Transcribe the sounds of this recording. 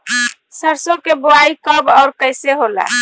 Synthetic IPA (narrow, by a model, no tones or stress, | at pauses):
səɾsokeboaikəbɔʊɾkəɪseɦola̰